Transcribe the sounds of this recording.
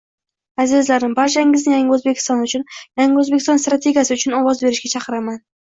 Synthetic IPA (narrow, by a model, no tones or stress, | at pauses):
azɪzlaɾɪmbaɾt͡ʃaɪŋɪznɪjaŋʲaɵzbe̞kʲʰɪ̥st̪ɒnʊt͡ʃʰʊnjaŋʲɵzbekʲɪst̪ɒnst̪ɾat̪ʰe̞ɡʲijasɪʊt͡ʃʰʊnɒwɒzbe̞ɾɪʃɡʲat͡ʃʰɑqʰɨɾaman